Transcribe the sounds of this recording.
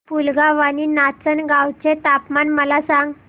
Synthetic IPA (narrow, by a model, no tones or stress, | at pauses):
pulɡaʋaninat͡sənɡawt͡set̪apmanməlasãŋɡ